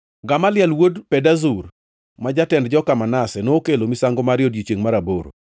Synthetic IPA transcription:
ɡamalɪɛlwodpɛdazur | mad͡ʒatɛndd͡ʒɔkamanasɛnookelomisaŋɡomaɾjɔdjit͡ʃeŋmaɾaboɾo̰

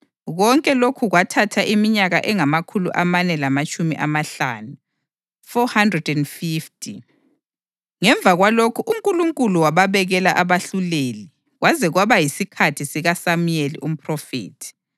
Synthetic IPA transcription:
ɣɔŋkʼɛlokʰuɣwatʰatʰaʔimiɲaɣaʔɛŋamakʰulṵʔamanɛlamat͡ʃʼumḭʔamaɬa̰ːnu | fɔhandrɛdɛndfiftʰʼi | ŋɛɱb̪vʱaɣwalokʰuʔuŋkʼuluŋkʼuluwaβaβɛɣɛlaʔaβaɬuleli | ɣwazɛɣwaβajisikʰatʰisiɣasamujelḭʔum̩pʰʼrɔfḛːtʰi̥

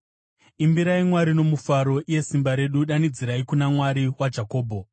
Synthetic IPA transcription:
imbiɾaimwaɾino̞mufaɾo̞ʔije̞simbaɾe̞ɗuɗanid͡ziɾaikunamwaɾiwad͡ʒako̞ːbʱo̞

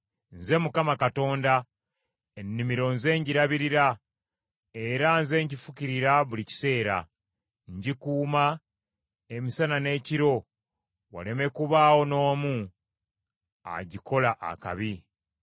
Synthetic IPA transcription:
nze̞mukamakato̞ːnda | enːimiɾo̞nze̞ːɲɟiɾaβiɾiɾa | e̞ɾanze̞ːɲɟifukiɾiɾaβulici̥se̞ːɾa̰ | ɲɟikuːma | e̞misanane̞ːciɾo̞ | wa̰le̞me̞kuβaːwo̞no̞ːmu | a̰ɟiko̞laʔa̰ka̰βi

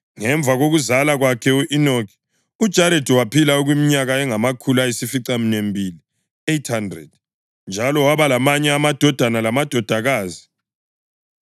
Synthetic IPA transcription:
ŋɛɱb̪vʱaɣoɣuzalaɣwakʰɛuʔinokʰi̥ | ud̥ʒ̥ʱaɾedʱiwapʰilauɣwimiɲaɣaɛŋamakʰulaisifiǀaminembʱili | ejtʰhandrɛ̰d̥̚ | nd͡ʒʱalɔwaβalamaɲɛamad̥ʱɔd̥ʱanalamad̥ʱɔd̥ʱaɣaːzi

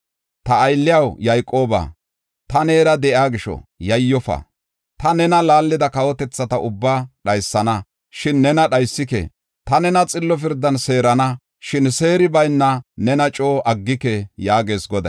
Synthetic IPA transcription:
t̪ɐːjlːɪjɐwjɐjkʼːo̞ːba̰ː | t̪ɐne̞ːɾɐd̪ɛʔjaːɡɪʃɔ̰jɐjːɔfɐ̰ | t̪ɐnɛnɐlaːlːɪd̪ɐkɐwɔt̪ɛt͡sːɐt̪ɐʊbːaːɗɐjsːɐnɐ | ʃɪnːɛnɐɗɐjsːɪkɛ̰ | t̪ɐnɛnɐt͡sʼɪlːɔf̬ɪɾd̪ːɐnse̞ːɾɐnɐ | ʃɪnse̞ːɾɪbɐjnːɐnɛnɐt͡ʃʼoːʔɐɡːɪkɛjaːɡe̞ːsɡɔd̪ɐ

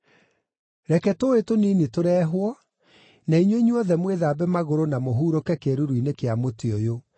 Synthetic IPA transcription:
ɾɛkɛtoetoniːnetoɾɛːɦwɔ | naiɲweɲwɔðɛmweðaːbɛmaɣoɾonamoɦuːɾokɛkeɾuɾwinekeamoteojo

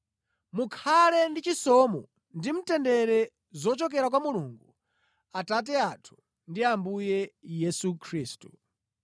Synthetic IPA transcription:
mukʰalɛndit͡ʃisɔmɔ | ndim̩tɛndɛɾɛ | zɔt͡ʃɔk̬ɛɾakwamuluŋɡu | atat̬ɛatʰu̥ | ndiambujɛjɛsukʰɾiːstu̥

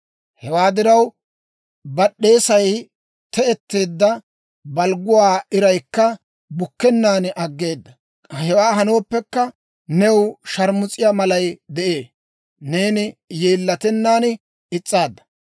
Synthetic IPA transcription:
hɛwaːd̪ɪɾɐw | bɐɗːe̞ːsɐj | t̪ɛɛt̪ːe̞ːd̪ːɐ | bɐlɡʊwaːɪɾɐjkːɐ | bʊkːɛnːaːnʔɐɡːe̞ːd̪ːɐ | hɛwaːɦɐno̞ːpːɛkːɐ | nɛwʃɐɾmʊt͡sʼɪjaːmɐlɐjd̪ɛʔe̞ː | ne̞ːnɪjeːlːɐt̪ɛnːaːn | ɪt͡sʼːaːd̪ːɐ̥

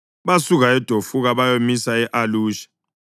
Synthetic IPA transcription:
βasuɣaɛd̥ʱofuɣaβajomisaɛʔaluːʃḁ

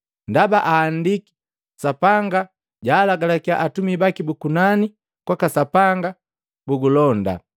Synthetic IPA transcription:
ndabaʔaːndiki̥ | sapaŋɡa | ɟaːlaɡalakiaʔatumibakibukunani | kwakasapaŋɡa | buɡulɔnda̰

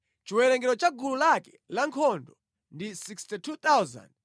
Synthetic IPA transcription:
t͡ʃiwɛlɛŋɡɛɾɔt͡ʃaɡululakɛ̥laŋkʰɔndɔ | ndisikstitʰut̪awza̰nd

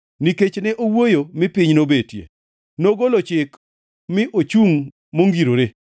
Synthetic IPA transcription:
niket͡ʃnɛʔowojomɪpɪɲnobetjḛ | noɡolot͡ʃɪk | mɪʔot͡ʃuŋ | moŋɡiɾoɾe

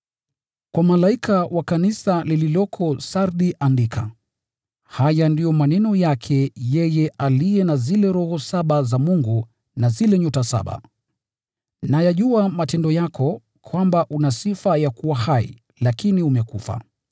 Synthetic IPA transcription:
kwamalaikʰawakanisalililɔkʰɔsaɾɗiʔandikʰa̰ | hajandijɔmanɛnɔjakʰɛjɛjɛalijɛnazilɛɾɔhɔsaɓazamuŋɡu | nazilɛɲɔtasa̰ɓa̰ | najaʄuamatɛndɔjakʰɔ | kʰwambaʔunasifajakuwahaḭ | lakiniumɛkufa̰

